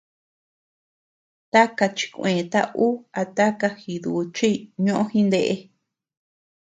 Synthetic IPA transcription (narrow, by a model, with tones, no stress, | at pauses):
t̪a˦ka˧t͡ʃi̥˨kʷẽː˨˧t̪a̰˦ʔu˦a˧t̪a˦ka˧xi˨ðu˨˧t͡ʃi˦ɲõ˦ʔõ˦xĩ˦nd̪e˧ʔe˦